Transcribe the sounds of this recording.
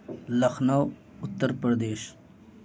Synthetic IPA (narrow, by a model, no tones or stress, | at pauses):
lɐxnaw | ʊt̪ːəɾpɐɾd̪eːʃ